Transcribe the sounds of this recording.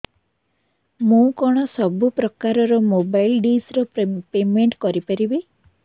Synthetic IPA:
mũkɔɽ̃ɔsɔbupɾɔkaɾɔɾɔmobajlɖisɾɔpemeɳʈkɔɾipaɾibi

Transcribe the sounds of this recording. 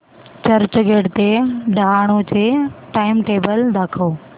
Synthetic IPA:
t͡ɕɐɾt͡ɕɡeːɖt̪eɖʱaːɽ̃od͡ʑeʈaːɪmʈeːbəld̪ʱaːkʰoː

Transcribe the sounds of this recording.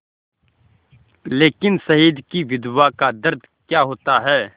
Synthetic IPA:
leːkɪnsɐɦiːd̪kiʋɪd̪wakad̪ɐɾd̪ʱkjaːɦoːt̪aɦɛː

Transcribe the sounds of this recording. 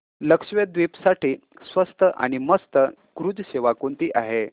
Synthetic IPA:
ləkʂʋed̪ʋipsaʈiːsʋəst̪əʔa̰ñiməst̪ə | ɡ̥ɾud͡zɕeʋakuɳt̪iːʔaɦe

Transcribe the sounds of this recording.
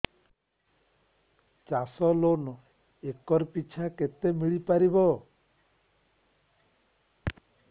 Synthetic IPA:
t͡ʃasɔlonɔ | ekɔɾpit͡ʃʰaket̪emiɭipaɾibɔ

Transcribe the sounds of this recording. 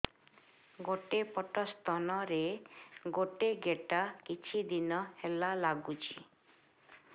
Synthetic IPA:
ɡoʈepɔʈɔst̪ɔnɔɾeɡoʈeɡeʈakit͡ʃʰid̪inɔhelalaɡut͡ʃʰi̥

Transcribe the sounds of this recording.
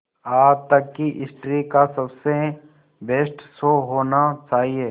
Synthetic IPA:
aːd͡ʒt̪ɐkːiʔɪsʈɾikasɐbse | beːsʈsoːɦoːnat͡ʃaːɦie

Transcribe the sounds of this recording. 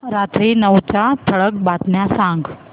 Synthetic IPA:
ɾat̪ɾinəwt͡ɕãt̪ʰəɭək̚bat̪njãsãŋɡ

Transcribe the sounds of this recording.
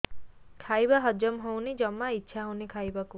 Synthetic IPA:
kʰajbaɦɔd͡ʒɔmɦownid͡ʒɔmaitːʃʰaɦownikʰajbaku

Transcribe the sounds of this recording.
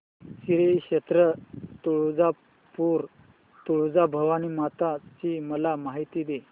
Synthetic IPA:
ɕiɾekɕet̪ɾət̪uɭud͡za | puɾ | t̪uɭud͡zabʱəʋanimat̪at͡ɕiməlamaɦit̪iːd̪e

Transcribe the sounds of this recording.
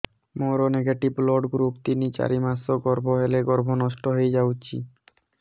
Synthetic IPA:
moɾoneɡaʈiblɔɖɡɾupt̪init͡ɕa̰ɾimasoɡɔɾbʱoɦeleɡɔɾbʱonɔʃʈoɦejd͡ʑawt͡ɕʰḭ

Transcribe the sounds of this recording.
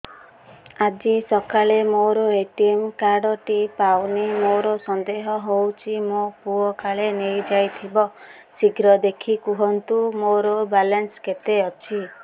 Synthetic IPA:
ad͡ʒisɔkalemoɾɔeʈiemkaɾɖɔʈipawnimoɾɔsɔnd̪eɦɔɦowt͡ʃʰimopuɔkaɭenejd͡ʒajt̪ʰibɔ | siɡɾɔd̪ekʰikuɦɔnt̪umoɾɔbalansket̪eɔt͡ʃʰi

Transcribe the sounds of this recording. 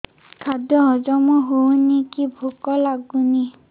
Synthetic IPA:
kʰadɔɦɔzɔmɔɦownikibʱukɔlaɡuni

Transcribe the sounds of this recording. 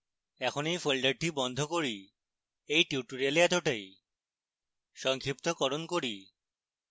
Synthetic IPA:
ɛkʰonejfolɖaɾʈibɔnd̪ʱokoɾi | ejʈuʈoɾialeɛt̪oʈaj | ʃɔŋkʰɾip̚t̪okɔɾonkoɾi

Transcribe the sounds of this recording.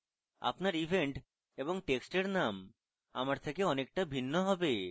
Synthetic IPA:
a̰pnaɾibʱeɳʈ | eboŋʈeksʈeɾnam | a̰maɾt̪ʰekeɔnek̚ʈabʱinːoɦɔbe

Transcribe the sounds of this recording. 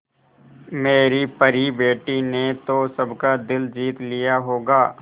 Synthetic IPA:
meːɾipəɾibeːʈinet̪osɐbkad̪ɪld͡ʒiːt̪lijaɦoːɡaː

